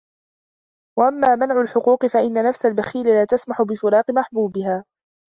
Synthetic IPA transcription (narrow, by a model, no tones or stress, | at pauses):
waʔamːaːmanʕʊlħʊquːqɨfaʔɪnːanafsalbaxiːlɪlaːt̪asmaħʊbɪfɪɾɑːqɪmaħbuːbɪhaː